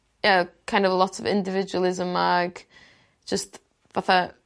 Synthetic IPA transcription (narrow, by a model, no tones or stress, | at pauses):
jakʰãj̃ndɔvlˠɔtɔvɪ̰̃ndɪvɪd͡ʒwəlˠɪzəmːaɡ̥ | d͡ʒ̥əst | vaθa